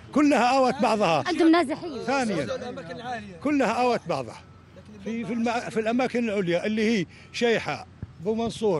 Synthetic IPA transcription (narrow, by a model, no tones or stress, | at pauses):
kʊlːahaʔawat̪̚bɑʕðˤhɑʕɪnd̪ʊmnaːzɪħɪjːθaːnɪjan | kʊlːhaʔawat̪̚bɑʕðˤhɑ | fifilmafilʔamaːkɪnɪlʕʊljaʔɪlːihiː | ʃajħa̰bɪmɑnsˤuːɾ